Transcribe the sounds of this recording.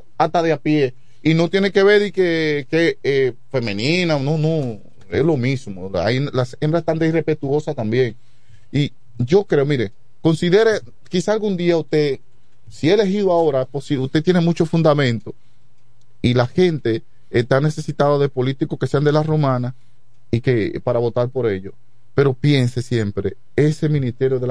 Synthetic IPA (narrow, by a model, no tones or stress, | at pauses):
at̪aðeapje̞ | ino̞t̪je̞neke̞βeɾðikekee | fe̞mẽnĩnanonõ | ḛslo̞mismoa̰inlasembɾasest̪and̪eirepe̞t̪uo̞sat̪ambje̞ŋ | i | ʝo̞kɾe̞omiɾe | ko̞nsiðe̞ɾe | kisaːlɡund̪iaust̪e̞ | sieele̞ɦiðoao̞ɾaposiust̪e̞t̪jene̞mũt͡ʃo̞fund̪amẽ̞nt̪o̞ | ilahe̞nt̪eː | t̪ane̞se̞sit̪aðoðe̞po̞lit̪ikoskese̞and̪e̞lasromãnas | ike̞paɾaβo̞t̪aɾpo̞ɾe̞ʎo̞ | pe̞ɾo̞pje̞nsesje̞mpɾe̞ | e̞se̞mĩnist̪e̞ɾjoðe